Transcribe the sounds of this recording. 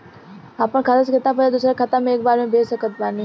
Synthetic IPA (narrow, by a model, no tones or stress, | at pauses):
aːpəɽ̃kʰɐt̪əskɪt̪ãpəed̪ʊsɾakʰɐt̪ãmẽeːk̚baːɾmẽbʱeːsəkət̪̚baːni